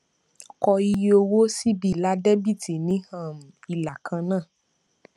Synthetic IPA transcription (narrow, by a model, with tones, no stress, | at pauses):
kɔ˧i˧jo˧wo˦si˦bi˨la˨˦dɛ˦bi˦˨ti˨nĩ˨˦hã˦˨m̩˨i˨la˨kʰã˧nãː˦˨